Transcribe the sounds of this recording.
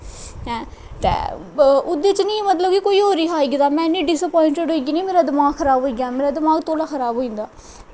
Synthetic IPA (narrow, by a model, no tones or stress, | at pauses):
ɦɛ̃ː | t̪ḛː | ʊd̪et͡ʃnĩːmət̪ləbkɪkoːiːɦoːɾiːɦaːiːɡd̪aːmɛ̃ːɪnːĩːɖɪsəpɔːɪɳʈeɖɦoːiːɡiːnĩːmeːɾaːd̪ɪmaːɡxʰəɾaːbɦoːiːɡaːmeːɾaːd̪ɪmaːɡt̪oːlaːxʰəɾaːbɦoːĩːnd̪aː